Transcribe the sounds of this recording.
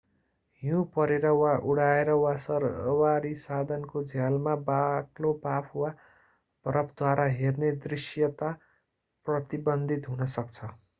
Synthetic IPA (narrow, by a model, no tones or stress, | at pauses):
ɦũpʌɾeɾʌwaʔuɽaeɾʌwasʌrʌwaɾisad̪ʱʌnkod͡zʱjalmabaklopapʰwa | pʌɾʌpʰd̪waɾʔaɦerned̪risjʌt̪a | prʌt̪ibʌnd̪ʱit̪ɦunʌsʌkt͡sʰʌ